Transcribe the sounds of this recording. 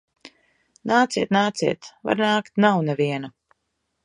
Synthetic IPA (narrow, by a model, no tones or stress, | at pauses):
naːt̪siɛt̪naːt̪siɛt̪va̰ɾnaːkt̪nawnɛviɛna